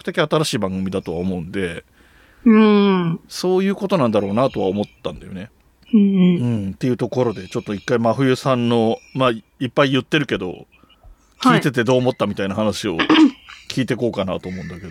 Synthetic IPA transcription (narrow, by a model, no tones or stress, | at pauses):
kɯ̟̥t̪e̞kʲiat̪aɾaɕiːbãŋɡɯ̟mʲid̪at̪o̞βa̰omo̞ɯ̟̃nd̪e̞ | ɯso̞ːjɯ̟ːko̞t̪o̞nãnd̪aɾo̞ːnat̪o̞βa̰omo̞t̪ːã̰nd̪ajo̞ne̞ | ɯ̟̃ɴt̪e̞jɯ̟t̪o̞ko̞ɾo̞d̪e̞t͡ɕo̞t̪ːo̞ikːaimaɸɯ̟jɯ̟sãnːo̞maːipːaijɯ̟t̪ːe̞ɾɯ̟ke̞d̪o̞̰ | hkʲiːt̪e̞t̪e̞d̪o̞ːmo̞t̪ːamʲit̪ainahanaɕio̞kʲʰiːt̪e̞ko̞ːkana̰t̪o̞ːmo̞ɯ̃nd̪ake̞d̪o